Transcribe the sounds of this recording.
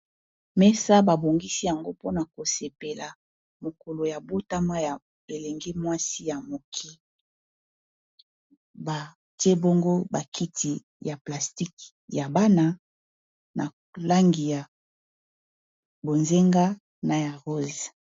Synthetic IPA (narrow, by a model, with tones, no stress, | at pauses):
mɛ˦sa˦ba˨bo˨ŋɡi˦si˦ja˨ŋɡo˦po˦na˨ko˨se˨pe˨la˨ | mo˨ko˨lo˨ja˨bo˦ta˦ma˦ja˨ | e˨le˨ŋɡi˦mwa˦si˦ja˨mo˨kʰi˦ | ba˨ | te˦bo˦ŋɡo˦ba˨kʰi˦tʰi˨ | ja˨pla˨sti˦k | ja˨ba˦na˦ | nʔa˨ | la˦ŋɡi˨ja˨ | bo˨nze˦ŋɡa˦ | na˨ja˨ʁo˦z